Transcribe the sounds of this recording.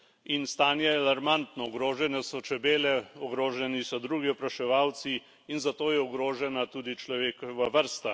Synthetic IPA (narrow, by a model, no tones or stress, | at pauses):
inst̪aːnjɛalaɾmant̪nɔɔɡɾoːʒɛnɛsɔt͡ʃɛbeːlɛɔɡɾoːʒɛnisɔd̪ɾuːɡiɔpɾaʃɛʋaːwt̪siː | nzat̪oːjɛɔɡɾoːʒɛnat̪uːd̪it͡ʃlɔʋeːkɔʋaʋəɾst̪a